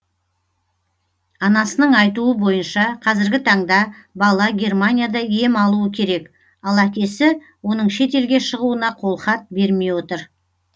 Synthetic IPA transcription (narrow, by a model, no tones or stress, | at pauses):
ɑnɑsənəɴɑjt̪uəbo̞jənʃɑqʰɑzɪɾɡʲɪt̪ʰɑɴd̪ɑbɑlˠɑɡʲe̞rmanʲijad̪ɑje̞mɑlˠuəkʲʰe̞ɾe̞k | ɑlˠækʲe̞sɪ | wo̞nəɴʃe̞t̪e̞lɡʲe̞ʃəʁuənɑqʰo̞lˠχɑt̪̚be̞ɾme̞jwo̞t̪əɾ